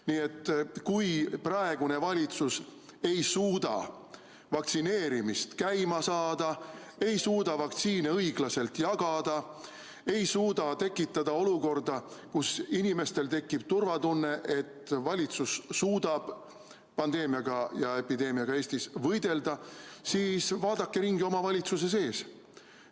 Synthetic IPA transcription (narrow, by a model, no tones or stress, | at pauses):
niːe̞t̪ːkujprɑe̞ɡ̥une̞vɑlʲit̪sus | e̞jsuːd̪̥ɑ̰ | vɑk̚t̪sine̞ːɾimist̪kæjmɑsɑːd̪̥ɑe̞jsuːd̪̥ɑvɑk̚t̪siːneɤjɡ̥lɑse̞lt̪jɑɡ̥ɑd̪̥ɑ | e̞jsuːd̪ɑt̪e̞kːˑit̪ːˑɑd̪̥ɑo̞luko̞rd̪̥ɑkusinime̞st̪e̞lt̪e̞kːˑib̥̚t̪urvɑd̪unːe̞ʔe̞t̪ːvɑlʲit̪susːuːd̪̥ɑb̥ | pɑnd̪̥e̞ːmiɑɡ̥ɑjɑe̞pid̪e̞ːmiɑɡ̥ɑe̞ːsʲt̪isvɤjd̪̥e̞ld̪ɑsiːsvɑːd̪̥ɑkːe̞ɾiŋɡio̞mɑvɑlʲit̪sus̬e̞s̬e̞ːs